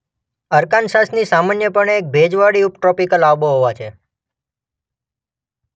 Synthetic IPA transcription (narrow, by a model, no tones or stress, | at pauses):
əɾkansasnisamanjəpəɳeːk̚bʱed͡ʒʋaɽiupʈɾɔpikəlaʋboɦoʋat͡ʃʰe